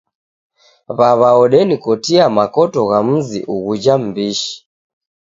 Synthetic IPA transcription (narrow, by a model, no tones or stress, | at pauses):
βaβaɔɗɛnikɔtiamakɔtɔɣam̩zḭʔuɣud͡ʒam̩biʃi̥